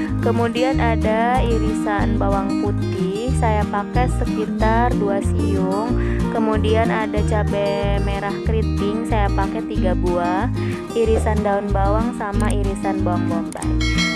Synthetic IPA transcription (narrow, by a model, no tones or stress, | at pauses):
kəmudianadaiɾisanbawaŋput̪ɪ | hsajapakɛsəkit̪arduasijʊŋkəmudianadat͡ʃapɛmeɾahkɾit̪ɪŋsajapakɛt̪iɡabuah | iɾisandaunbawaŋsamaiɾisanbawaŋbɔmba̰